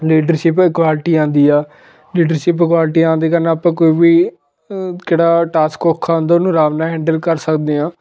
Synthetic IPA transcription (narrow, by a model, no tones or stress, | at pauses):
liːɖəɾʃɪpkʋaːlʈiːãːnd̪iːɛː | liːɖəɾʃɪpɪkwaːlʈiːãːnd̪eːkəɾnaːpãːkoːiːʋiː | keːɽaːʈaːskoːkʰːaːʊ̃nd̪aːʊnũːɾaːʋnaːɦɛ̃ːɳɖəlkəɾsəkd̪eːãː